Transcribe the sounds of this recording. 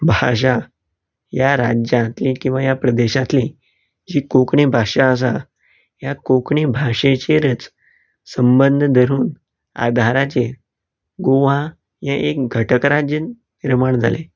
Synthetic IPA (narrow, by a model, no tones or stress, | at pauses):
bʱaʂ̬a | jaɾad͡ʑjãt̪likĩw̃ʋajapɾəd̪eɕãt̪li | d͡ʑiːkokɳibʱaʂaəs̬a | jakokɳibʱaʂet͡ɕeɾət͡s | səmbənd̪ʱəd̪ʱəɾuːn | a̰d̪ʱaɾat͡se | ɡoʋã | jãʔek̚ɡʱəʈəkɾad͡ʑənː | iɾmaɳd͡zʱale